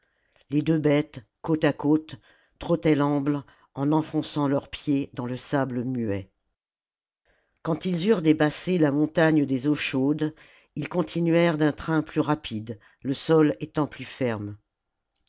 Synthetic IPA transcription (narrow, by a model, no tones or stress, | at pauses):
led̪øbɛt̪kot̪akot̪ː | χɔt̪ɛlɑ̃bl | ɑ̃nɑ̃fɔ̃sɑ̃lœʁpjed̪ɑ̃ləsabləmyɛ | kɑ̃t̪ilzyʁd̪epaselamɔ̃t̪aɲd̪ezoʃod̪ | ilkɔ̃t̪ʰinɥɛʁd̪ɛ̃t̪χɛ̃plyʁapʰid̪ | ləsɔlet̪ɑ̃plyfɛʁm